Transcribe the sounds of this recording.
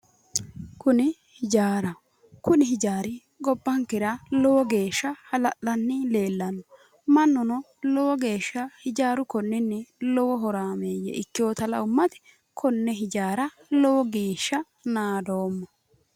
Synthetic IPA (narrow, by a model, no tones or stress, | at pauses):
kʊnɪ | hɪd͡ʒaːɾɐ | kʊnɪɦɪd͡ʒaːɾɪ | ɡɔbːɐŋkɪɾɐlɔwɔɡe̞ːʃːɐhɐlɐʔːɐnːɪle̞ːlːɐnɔ | mɐnːɔnɔ | lɔwɔɡe̞ːʃːɐhɪd͡ʒaːɾʊkɔnːɪnːɛlɔwɔɦɔɾaːmeːjɛ̰ʔɪkːɪjoːt̪ɐlɐ̰ʊmːɐt̪ɪ̥ | kʰɔnːɛɦɪd͡ʒaːɾɐ | lɔwɔɡe̞ːʃːɐ | naːd̪oːmːɐ